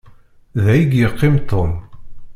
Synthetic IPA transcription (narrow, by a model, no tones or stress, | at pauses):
ðæjiɡjəqːɪmt̪ːon